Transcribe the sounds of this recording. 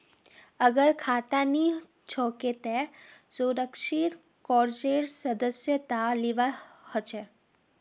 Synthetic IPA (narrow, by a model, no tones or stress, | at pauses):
əɡəɾkʰaːt̪ani | t͡ʃʰɔket̪esuɾəkʃit̪ | kɔːɾd͡ʒeɾsəd̪əsjət̪aliʋahɔt͡ʃʰe